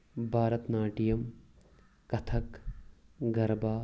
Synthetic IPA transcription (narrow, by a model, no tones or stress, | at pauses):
bʱaːɾɐt̪naːʈijɐm | kɐt̪ʰɐk | ɡɐɾbaː